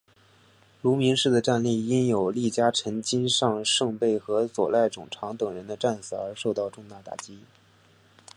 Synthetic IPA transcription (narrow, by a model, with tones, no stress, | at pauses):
lu˧˥mi˧˥ŋʂɻ̩˥˩d̪ə˩ʈ͡ʂa˥˧nli˥˩i˥njo˨˩ʊli˥˩t͡ɕja˥ʈ͡ʂʰə˧˥nt͡ɕi˥nʂɑ˥˧ŋʂɤ˥˧ŋpe˥˩ɪxɤ˧˥swɔ̰˨˩la˥˩ɪʈ͡ʂʊ˨˩ŋʈ͡ʂʰɑ˧˥ŋt̪ɤ˨˩ŋɻə˧˥nd̪ə˧ʈ͡ʂa˥˩nsɹɤ˨˩ə˞˧˥ʂo˥˧ʊt̪ɑ˥˧ʊʈ͡ʂʊ˥˧ŋt̪a˥˩t̪a̰˨˩t͡ɕi˥˩